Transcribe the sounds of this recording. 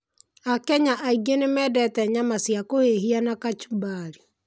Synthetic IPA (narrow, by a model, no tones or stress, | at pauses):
akɛɲaʔaiɡenemɛːdɛtɛɲamasjakoeɦianakat͡ʃubaɾi